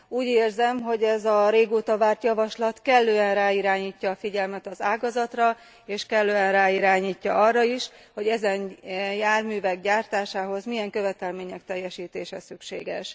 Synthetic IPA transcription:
uːɟeːrzɛmɦo̞ɟɛzɒɾeːɡoːt̪ɒvaːrt̪jɒvɒʃlɒt̪kɛlːøːɛnraːiɾaːɲiːcːɒːfiɟɛlmɛt̪ɒzaːɡɒzɒt̪rɒ | eːʃkɛlːøːɛnraːiɾaːɲiːcːɒʔɒrːɒiʃ | ho̞ɟɛzɛnjaːrmyːvɛɡɟaːrt̪aːʃaːɦo̞zmijɛŋkø̞vɛt̪ɛlmeːɲɛk̚t̪ɛjːɛʃiːt̪eːʃɛ̰sykʃḛːɡɛ̰ʃ

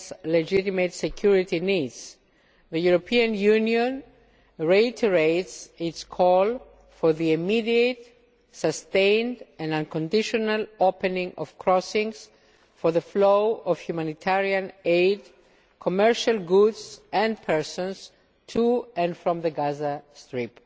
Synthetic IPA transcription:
sled͡ʒitimet̪sekʰjuɹit̪inidz̥ | ðəjuɾopʰiãnjuniõn | ɹeit̪ʰeɹetsitskʰɔl | foɹðiimidiet | sɐst̪ẽjndɛ̃nãnkõndiʃonalopenĩŋɔ̰v̥kʰɾɔsĩŋs | fo˞ðəflowov̥çumãnit̪ʰaɹiãneɪd | kʰomɛɹʃalɡudzɛ̃nd̚pʰɛɹsõns | tʰuɛ̃nfɹɔ̃mðəɡazast̪ɹip

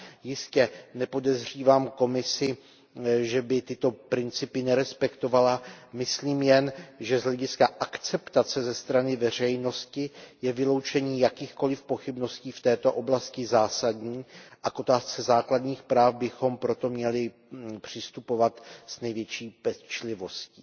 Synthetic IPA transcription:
jɪscɛnɛpo̞dɛzr̝iːvaːmko̞mɪsɪ | ʒɛbɪt̪ɪt̪o̞pɾɪnt͡sɪpɪnɛɾɛspɛkt̪o̞valamɪsliːmjɛnʒɛzɦlɛɟɪskaʔakt͡sɛpt̪at͡sɛzɛst̪ɾanɪvɛr̝ɛjno̞scɪjɛvɪlo̞wt͡ʃɛɲiːjakiːxko̞lɪfpo̞xɪbno̞sciːft̪ɛːt̪o̞ʔo̞blascɪzaːsadɲiːʔakʔo̞t̪aːst͡sɛzaːkladɲiːxpɾaːfbɪxo̞mpɾo̞t̪o̞mɲɛlɪ | pr̝̥ɪst̪upo̞vat̪z̥nɛjvjɛt͡ʃiːpɛt͡ʃlɪvo̞sci̥ː

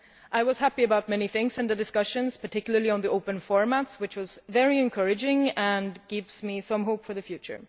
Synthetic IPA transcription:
ʔaɪwʌz̥hæpiɨbaʊt̚mɛniθɪ̃ŋksɨ̃nðɨdɨskʌʃɨ̃nz̥pʰə˞tʰɪkjl̩ˠə˞liə̃nðiʔoʊpə̃nfɔɹmætswɨt͡ʃwʌzvɛɹiɨ̃nkʰɜɹɨd͡ʒɪ̃ŋə̃nɡɪvzmisʌ̃mɦoʊpfə˞ðɨfjʉt͡ʃə̰˞

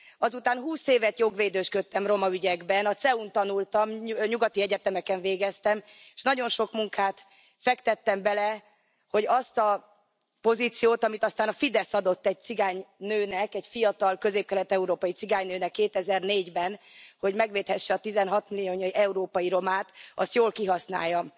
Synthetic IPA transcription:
ɒzut̪aːnɦuːseːvɛt̪jo̞ɡʋeːd̪øːʃkøt̪ːɛmro̞mɒyɟɛɡbɛnɒt̪sɛunt̪ɒnult̪ɒmɲuɡɒt̪iɛɟɛt̪ɛmɛkɛɱveːɡɛst̪ɛmeʃnɒɟo̞nʃo̞kmuŋkʰaːt̪ | fɛkt̪ɛt̪ːɛmbɛlɛ | ho̞ɟɒst̪ɒ | po̞ziːt̪sijoːt̪ɒmit̪ɒst̪aːnɒfid̪ɛsɒd̪o̞t̪ːɛɟ̚t̪siɡaːɲnøːnɛkɛɟfijɒt̪ɒlkø̞zeːp̚kɛlɛt̪ɛuɾoːpɒjit̪siɡaːɲnøːnɛkːeːt̪ɛzɛrneːɟbɛnho̞ɟmɛɡʋeːt̪hɛʃːɛɒt̪izɛnɦɒt̪milijoːɲoiʔɛuɾoːpɒjiɾo̞maːt̪ɒ̰st̪joːlkiɦɒsna̰ːjːɒm

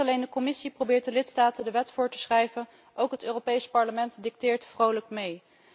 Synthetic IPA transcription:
ɑlejndəkɔmɪsiprowbɪːɹt̚dəlɪtstaːtəndəʋɛtfʊːɹtə̥sχrɛjvən | ʔowkɦətøːropejspɑɹləmɛntdɪk̚tɪːɹtfrowləkmej

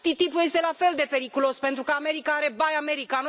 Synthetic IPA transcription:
t̪it̪ipuje̞st̪e̞lafe̞ld̪e̞pe̞ɾikulo̞spe̞nt̪ɾukəame̞ɾikaaɾe̞bajame̞ɾikano

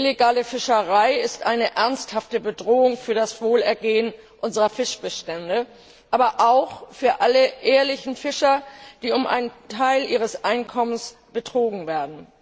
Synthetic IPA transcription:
ʔɪleɡaːləfɪʃəʁaɪɪstʔaɪnəʔɛɐnsthaftəbədʁoːʊŋfyːɐdasv̥oːlɛɐɡeːən | ʔʊnzəʁɐfɪʃb̥əʃtɛndə | ʔaːbɐʔaʊxfyːɐʔaləʔeːɐlɪçn̩fɪʃɐd̥iːʊmʔa̰ɪntʰaɪlʔiːʁ̞əsʔaɪnkʰɔməns | b̥ətʁ̥oːɡŋ̩veːɐdn̩

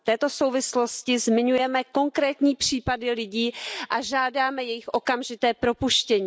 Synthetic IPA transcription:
ft̪ɛːt̪oso̞wvɪslo̞scɪzmɪɲujɛmɛko̞ŋkɾɛːt̪ɲiːpr̥iːpadɪlɪɟiːʔaʒaːdaːmɛjɛjɪxʔo̞kamʒɪt̪ɛːpɾo̞puʃcɛɲiː

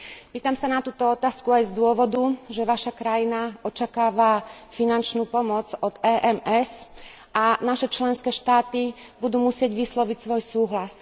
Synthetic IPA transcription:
piːt̪amsanat̪uːt̪ɔɔt̪aːskuajzd̪ʊɔʋɔd̪uʒɛʋaʃakɾajinaɔt͡ʃakaːʋafinant͡ʃnuːpɔmɔd͡zɔd̪ɛːʔɛmɛs | ʔanaʃɛt͡ʃlɛnskɛːʃt̪aːt̪ibud̪uːmusɪɛɟʋislɔʋicsʋɔjsuːɦlas

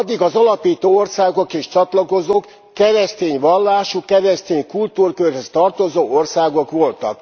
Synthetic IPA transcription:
d̪ːiɡɒzɒlɒpiːt̪oːorsaːɡo̞keːʃt͡ʃɒt̪lɒko̞zoːkː | ɛɾɛst̪eːɲʋɒlːaːʃukɛɾɛst̪eːɲkult̪uːrkørɦest̪ɒrt̪o̞zoːo̞rsaːɡo̞kʋo̞lt̪ɒ̰k

